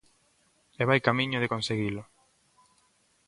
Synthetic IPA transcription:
eβajkamĩɲʊðekonseɣilʊ

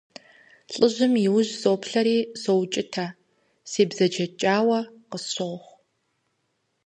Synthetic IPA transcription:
ɬʼɨʑɪmiwʊʑzoːpʰɬɐɾiːsowt͡ʃʼɪtʰaː | seːbzɐd͡ʒɐt͡ʃʼaːwɐqəsɕoːχʷ

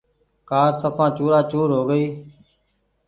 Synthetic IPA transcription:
kaːɾsəpʰãːt͡ʃuːɾaːt͡ʃuːɾɦoːɡəiː

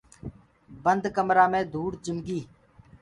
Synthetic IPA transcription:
bənd̪kəmɾaːmẽːd̪ʱuːɽd͡ʒɪmɡiː

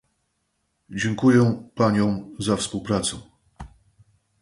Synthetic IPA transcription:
d͡ʑɛŋkujɛpaɲɔ̃w̃zafspuwpɾat̪sɛ̰

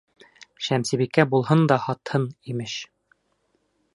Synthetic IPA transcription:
ʃæmsibikːæbulˠɦɤnd̪ɒhɒt̪hɤnimɘʃ

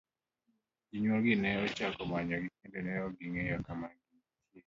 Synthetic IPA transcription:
iɲwoɡinɛɔt͡ʃakɔmaɲɔɡikendenɛoɡiŋejɔkamaɡi | tje

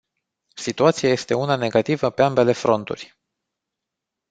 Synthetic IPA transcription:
sit̪uat̪siaje̞st̪e̞unane̞ɡat̪ivəpe̞ambe̞le̞fɾo̞nt̪ṵrʲ

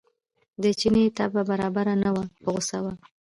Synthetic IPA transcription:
d̪ət͡ʃinet̪ababaɾɑbaɾanawapəɣosawa

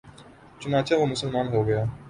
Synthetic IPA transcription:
t͡ʃʊnaːt͡ʃãʋomʊsəlmaːnɦoːɡɐjaː

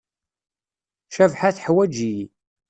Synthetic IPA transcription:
ʃævħaθħwæd͡ʒij

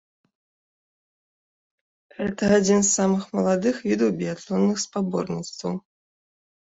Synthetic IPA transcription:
ɣɛt̪ɐad͡zʲinsːamɨxmɐlˠad̪ɨxvʲid̪ɐwbʲiat̪lˠɔnːɨxspabɔ̰rnʲit̪st̪vɐw

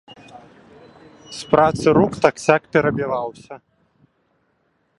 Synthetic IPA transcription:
spɾat̪sɨɾukt̪aksʲakpʲɛɾɐbʲilˠawsʲɐ

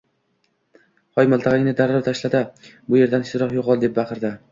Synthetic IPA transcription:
χɒjmalˠt̪ʰɑʁɪŋʲnɪd̪aɾːɒɾt̪ʰaʃlad̪ɪbʊje̞ɾd̪anɪʃt̪ɪɾɒqjoqɒlˠd̪e̞p̚bɑqʰɨɾd̪ɪ

